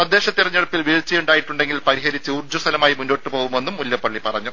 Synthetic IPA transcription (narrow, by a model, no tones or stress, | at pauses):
sɐd̪ːeːɕɐt̪ːirɐɲːiɽɐpːilʋiːɭt͡ɕːɐjuɳɖaːjiʈːuɳɖe̞ŋɡilpɐɾiɦɐɾit͡ɕːɨuːrd͡ʑust̪ʰɐlɐmaːjimunːo̞ːʈːɨpo̞ːɣume̞nːumːuljɐpːɐɭːipɐrɐɲːu